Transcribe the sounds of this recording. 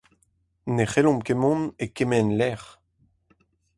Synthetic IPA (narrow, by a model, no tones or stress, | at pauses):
neχelɔ̃mkemɔ̃nekemɛnlɛʁ